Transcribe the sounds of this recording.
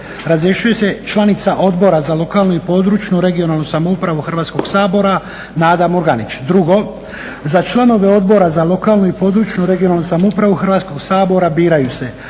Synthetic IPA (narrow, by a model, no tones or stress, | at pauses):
ɾazɾje̞ʃuje̞se̞t͡ʃlˠanit̪saʔo̞d̪bo̞ɾazalo̞kaːlˠnuipo̞d̪ɾuːt͡ʃnuɾe̞ɡio̞nalˠnusamoupɾaʋuxr̩ʋaːt̪sko̞ɡsaːbo̞ɾa | naːd̪amoɾɡanit͡ʃd̪ɾuɡo̞ | zat͡ʃlˠano̞ʋe̞o̞d̪bo̞ɾazalo̞kaːlˠnuipo̞ːd̪ɾuːt͡ʃnuɾe̞ɡijonalnusamoupɾaʋuxrʋaːt̪ko̞ɡsaːbo̞ɾabiːɾajuse̞